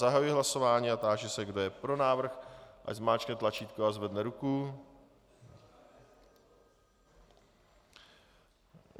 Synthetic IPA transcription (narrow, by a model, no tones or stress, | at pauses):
aɦajujiɦlaso̞vaːɲiat̪aːʒɛsɛɡdojɛpɾo̞naːvr̩xʔa̰zmaːt͡ʃknɛt̪lat͡ʃiːt̪koazvɛdnɛɾuku